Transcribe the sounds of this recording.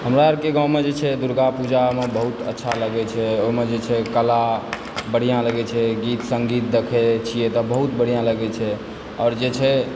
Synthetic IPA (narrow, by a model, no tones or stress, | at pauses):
ɦəmɾaəɾkeɡãw̃med͡ʒet͡ʃʰɛd̪uɾɡapud͡ʒamebəɦut̪ə̰tːʃʰaləɡɛt͡ʃʰɛoɦmed͡ʒet͡ʃʰɛkəla | bəɽ̤ijãləɡɛt͡ʃʰɛɡit̪səŋɡit̪̚d̪ekʰɛt͡ʃʰijɛt̪ɔbəɦut̪bəɽ̤ijãləɡɛt͡ʃʰɛ | ɔːɾd͡ʒet͡ʃʰɛ